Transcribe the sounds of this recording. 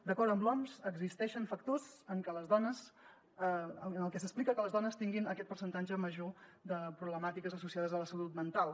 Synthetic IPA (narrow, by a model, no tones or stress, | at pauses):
d̪əkɔɾt̪əmblɔmzəɡzist̪ɛʃənfək̚t̪ozəŋkələzðɔnəz | əənəlˠkɛs̬əsplikəkələzðɔnəst̪iŋɡinəkɛt̪̚pəɾsənt̪ad͡ʒəməʒod̪əpɾuβləmat̪ikəzəsusiað̞əzələsəlut̪mənt̪alˠ